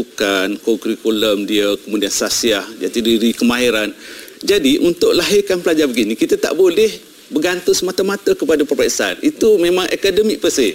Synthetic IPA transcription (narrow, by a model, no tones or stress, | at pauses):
ukankoɡɾikoləmdiəkəmudiansasiahdiat̪idiɾikəmaɦiɾand͡ʒadiʔunt̪ʊʔlaɦɪrkanpəlad͡ʒabəɡinĩkit̪at̪a̰ʔbolɛh | bəɡant̪ʊsəmat̪amat̪əkəpadapərbaisa̰nit̪umẽmãŋʔekadəmik̚pəsɪ